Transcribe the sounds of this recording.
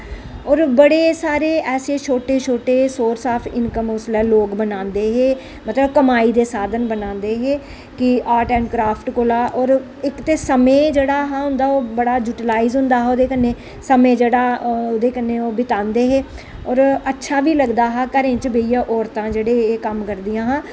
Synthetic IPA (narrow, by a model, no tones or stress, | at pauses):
ɔːɾbəɽeːsaːɾeːʔɛːseːt͡ʃʰoːʈeːt͡ʃʰoːʈeːsoːɾsaːpʰɪ̰nkəmʊslɛːloːkbənãːnd̪eːɦeː | mət̪ləbkəmaːiːd̪eːsaːd̪ənbənãːnd̪eːɦeː | kɪaːɾʈɛ̃ːɳɖkɾaːpʰʈkolaːʔɔːɾ | ɪkt̪eːsəmẽːd͡ʒeːɽaːɦãːɦʊ̃nd̪aːoːbəɽaːd͡ʒuːʈlaːiːzɦʊ̃nd̪aːɦoːd̪eːkənːeː | səmẽːd͡ʒeːɽaːoːd̪eːkənːeːoːbɪt̪ãːnd̪eːɦeː | ɔːɾətːʃʰaːʋiːləɡd̪aːɦaːkəɾẽːt͡ʃəbeːijaːʔɔːɾt̪ãːd͡ʒeːɽeːeːkəmkəɾd̪ɪjãːɦãː